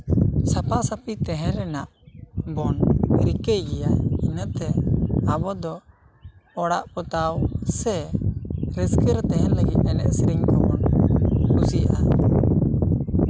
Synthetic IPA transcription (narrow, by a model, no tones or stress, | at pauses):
sapaʔsapit̪ɛɦɛ̃ɾɛnaʔbɔnɾikəjɡɛjainət̪ɛabɔd̪ɔ | ɔɽaʔpɔt̪awsɛ | ɾɛskəɾt̪ɛɦɛnləɡit̪̚nɛnɛʔsiɾiŋkɔbɔnkusiʔa̰